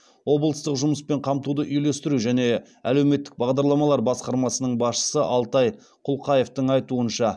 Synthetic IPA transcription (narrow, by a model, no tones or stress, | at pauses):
wo̞blˠəst̪əqʒʊməspe̞ɴqʰɑmt̪ud̪əʔʏjle̞st̪ɪɾuʒæne̞ | æ̰le̞wme̞t̪ːɪ̥k̚bɑʁd̪ɑɾlˠɑmɑlˠɑɾbɑsqɑɾmɑsənəɴbɑsʃə̥səʔɑlˠt̪ɑj | qʰʊlˠqʰɑje̞ft̪əɴɑjt̪uənʃɑ